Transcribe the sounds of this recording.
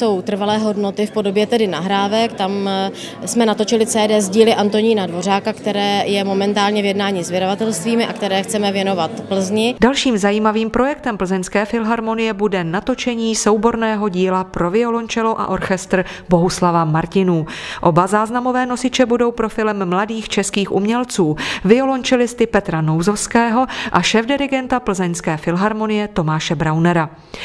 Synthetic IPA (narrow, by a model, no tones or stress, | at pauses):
so̞wt̪r̩valɛːɦo̞dnot̪ɪfpodobjɛt̪ɛdɪnaɦɾaːvɛkt̪am | smɛnat̪o̞t͡ʃɪlɪt͡sɛːdɛːzɟiːlɪʔant̪o̞ɲiːnadvo̞r̝aːkakt̪ɛɾɛːjɛmo̞mɛnt̪aːlɲɛvjɛdnaːɲiːzvɪdavat̪ɛlst̪viːmɪʔakt̪ɛɾɛːxt͡sɛmɛvjɛno̞vat̪pl̩zɲɪdalʃiːmzajiːmaviːmpɾo̞jɛkt̪ɛmpl̩zɛnskɛːfɪlɦaɾmo̞nɪjɛbudɛnat̪o̞t͡ʃɛɲiːso̞wbo̞ɾnɛːɦo̞ɟiːlapɾo̞vɪolo̞ɲt͡ʃɛlo̞ʔa̰ʔo̞ɾxɛst̪ɾ | bo̞ɦuslavamaɾcɪnuːʔo̞bazaːznamo̞vɛːno̞sɪt͡ʃɛbudo̞wpɾo̞fɪlɛmːladiːxt͡ʃɛskiːxʔṵmɲɛlt͡suːvɪo̞lo̞ɲt͡ʃɛlɪst̪ɪpɛt̪ɾano̞wzo̞fskɛːɦo̞ʔaʃɛːvdɪɾɪɡɛnt̪apl̩zɛɲskɛːfɪlɦaɾmo̞nɪjɛt̪o̞maːʃɛbɾawnɛɾa